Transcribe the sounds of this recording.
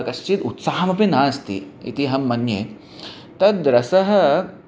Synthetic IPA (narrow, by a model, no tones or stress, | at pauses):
kɐʃt͡ʃit̪ut̪saːmɐpinaːst̪ḭḭt̪iɦɐmːɐnjeː | t̪ɐd̪ɾɐsɐɦɐ